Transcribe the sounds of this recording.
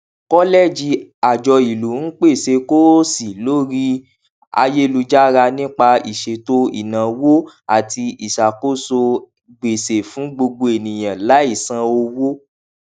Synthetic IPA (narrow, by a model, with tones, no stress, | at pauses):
kɔ˦lɛ˦˨d͡ʒi˧a˨d͡ʒɔ˧i˨lu˨˦n̩˦k͡pe˦˨se˧ko˦si˨lo˦ɾi˦ | a̰˧je˦lu˧d͡ʒa˦ɾa˧nĩ˦k͡pa˧i˨ʃe˨to˦ḭ˨nã˨wo˦ | a˨ti˧i˨ʃa˨ko˦so˧ | ɡ͡be˨se˨fũ˨˦ɡ͡bo˧ɡ͡bo˧e˨nĩ˨j̃ã˨la˨˦i˦˨sã˧o˧wo˦